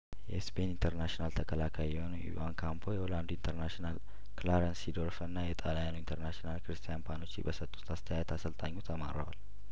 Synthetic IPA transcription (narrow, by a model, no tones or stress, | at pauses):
jɛspʰe̞nint̪ʰəɾnaʃinalt̪ʰəkʰəlakʰajjɛhonḭwankʰampʰo̞jɛoland̪uint̪ʰəɾnaʃinal | klaɾənsid̪oɾfənːajɛt̪ʼalajanuint̪ʰəɾnaʃinalkɨɾɨst̪ʰijanpʰano̞t͡ʃːibəsət̪ʼːu̥t̪ʰast̪ʰəjajɛt̪ʰasəlt̪ʼaɲːut̪ʰama̰ɾə̰wa̰l